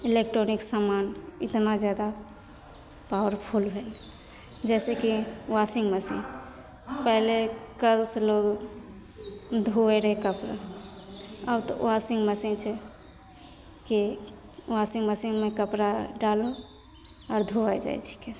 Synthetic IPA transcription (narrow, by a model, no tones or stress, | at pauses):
ilek̚ʈɾoniksamanḭt̪nad͡ʒjad̪a | pawəɾpʰulbʱel | d͡ʒɛsekiwasiŋɡməsḭn | pɛɦlekəlsloɡ | d̪ʱuɛɾəɦɛkəpɾa̰ | əbt̪ɔ̰wasiŋɡməsint͡ʃʰɛ | ki | wasĩŋɡməsiŋmekəpɾaɖalo | ɔɾd̪ʱuad͡ʒa̰jt͡ʃʰi̥ke